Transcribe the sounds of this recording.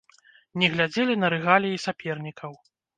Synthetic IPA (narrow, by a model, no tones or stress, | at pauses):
nʲɛɣlʲad͡zʲelʲinɐɾɨɣalʲijisʲapʲɛrnʲikʰɐw